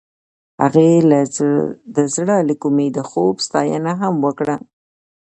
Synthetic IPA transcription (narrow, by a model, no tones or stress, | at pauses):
ha̰ɣe | d̪əzɽəlikumed̪əxobst̪ɑjə̰naɦamwəkɽa